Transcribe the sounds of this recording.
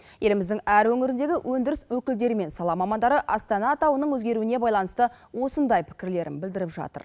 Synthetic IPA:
je̞lɪmɪzd̪ɪŋæɾwɵŋɪɾɪnd̪e̞ɡʲɪwʔɵnd̪ɪɾɪswɵkʲɪld̪e̞ɾɪme̞nsɑlˠɑmɑmɑnd̪ɑɾəʔɑst̪ɑnɑt̪ɑwənəɴwɵzɡʲe̞ɾuɪne̞bɑjlˠɑnəst̪ə | wo̞sənd̪ɑjpʰɪ̥kʲɪɾle̞ɾɪ̰nbɪld̪ɪɾɪpʒɑ̰t̪ə̰ɾ

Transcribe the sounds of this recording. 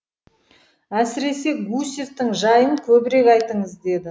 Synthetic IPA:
æsɪɾe̞se̞ɡusʲeft̪ɪŋʒɑjənkʲʰɵbɪɾe̞kɑjt̪əɴəzd̪e̞d̪ɪ

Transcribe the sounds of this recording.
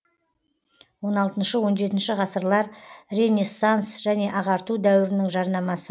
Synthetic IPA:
wo̞nɑlˠt̪ənʃəwo̞nʒe̞t̪ɪnʃɪʁɑsəɾlˠɑɾre̞nʲesːansʒ̥æne̞ʔɑʁɑɾt̪ud̪æwɪɾɪnɪŋʒɑɾnɑmɑsə

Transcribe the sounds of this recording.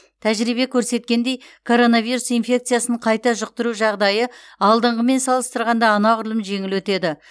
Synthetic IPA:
t̪ʰæʒɾibe̞kʲʰɵɾse̞t̪̚kʲend̪e̞jkʰo̞ɾo̞naviɾusinfʲe̞kt̪sɨijasəɴqʰɑjt̪ɑʒʊq̚t̪əɾuʒɑʁd̪ɑjəɑlˠd̪əɴʁəme̞nsɑlˠəst̪əɾʁɑnd̪ɑːnɑʁʊɾlˠəmʒe̞ŋɪlwɵt̪e̞d̪ɪ

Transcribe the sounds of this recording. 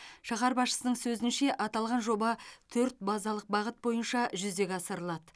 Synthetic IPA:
ʃɑʁɑɾbɑsʃə̥sənəɴsɵzɪnʃe̞ʔɑt̪ɑlˠʁɑnʒo̞bɑt̪ʰɵɾt̪̚bɑzɑlˠəq̚bɑʁət̪̚bo̞jənʃɑʒʏzd̪e̞ɡʲɑsəɾəlˠɑd̪ə

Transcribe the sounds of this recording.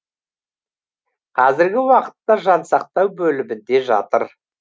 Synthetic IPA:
qʰɑzɪɾɡʲɪwɑqə̥t̪ːɑʒɑnsɑq̚t̪ɑwbɵlɪmɪnd̪e̞ʒɑ̰t̪əɾ

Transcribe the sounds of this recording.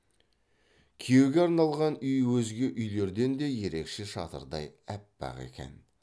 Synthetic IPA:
kʲʰije̞wɡʲeɑɾnɑlˠʁɑnʏjwɵzɡʲe̞ʔʏjle̞ɾd̪e̞nd̪e̞je̞ɾe̞kʃeʃɑt̪ə̰ɾd̪ɑ̰jæpbɑ̰ʁe̞̰kʲe̞̰n

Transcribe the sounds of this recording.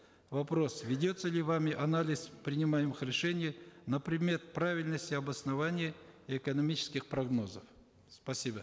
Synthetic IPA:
vɐpɾo̞svʲɪdʲo̞t̪səlʲɪvamʲɪʔɐnalʲɪspɾʲɪnʲɪmajɪmɨxɾʲɪʂɛnʲɪjənəpɾʲɪd̪mʲe̞t̪̚pɾavʲɪlʲnəsʲtʲɪɐbəsnɐvanʲɪjəiɛkənɐmʲit͡ɕɪ̥skʲɪxpɾɐɡno̞zəf | spɐsʲibə

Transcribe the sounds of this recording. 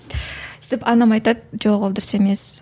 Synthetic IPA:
sd̪ɪpɑnɑmɑjt̪ɑt̪̚ʒoʁolˠd̪ʊɾseme̞s

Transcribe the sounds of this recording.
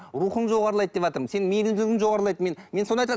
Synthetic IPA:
ɾuχəɴʒo̞ʁɑɾəlˠɑjd̪əd̪e̞pʒɑt̪əɾmənse̞nɪŋmeɾɪmd̪lɪɡʲɪŋʒo̞ʁɑɾlˠɑj̪əme̞nmenso̞nɑjt̪ɾ

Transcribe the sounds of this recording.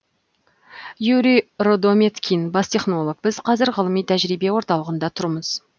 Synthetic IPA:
juɾiɾod̪omʲet̪kʲʰinbɑst̪ʰe̞χno̞lˠok̚bɪzqʰɑzɪɾʁəlˠəmijt̪ʰæʒɾibe̞wo̞ɾt̪ɑlˠəʁənd̪ɑt̪ʰʊɾəməz̥

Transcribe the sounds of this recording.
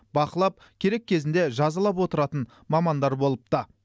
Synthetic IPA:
bɑqəlˠɑp̚ | kʲʰe̞ɾe̞kʲʰːe̞zɪnd̪e̞ʒɑzɑlˠɑp̬wo̞t̪əɾɑt̪ən | mɑmɑnd̪ɑɾbo̞lˠəp̚t̪ɑ

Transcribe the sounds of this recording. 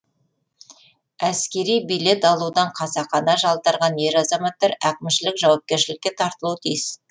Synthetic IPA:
æskʲe̞ɾijbijle̞t̪ɑlˠud̪ɑɴqʰɑsɑqɑnɑʒɑlˠt̪ɑɾʁɑnje̞ɾɑzɑmɑt̪ːɑɾækʲɪmʃɪlɪkʒɑwɑp̚kʲe̞ɾʃɪlɪkʲːe̞t̪ʰɑɾt̪əlˠuwt̪ʰijɪs

